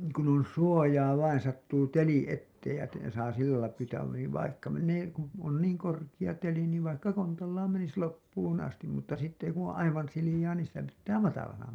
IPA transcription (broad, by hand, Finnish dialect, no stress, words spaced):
kun on suojɑː ʋɑin sɑtːuː teli etːeːj jɑ te sɑː silːælɑi pyːtæː niːʋ ʋɑikːɑ menːeː ku on niːŋ korkij̆ɑ teli niːʋ ʋɑikːɑ kontɑlːɑːm menis lopːuːn ɑstim mutːɑ sitːe ku õː ʔɑiʋɑn silijɑː niːn sitæ pitːæː mɑtɑlɑnɑ